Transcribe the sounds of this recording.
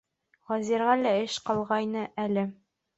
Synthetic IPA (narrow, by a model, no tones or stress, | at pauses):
ʁɒzʲiɾʁɑlæɘʃqɒlˠʁɑjnɤʔælɘ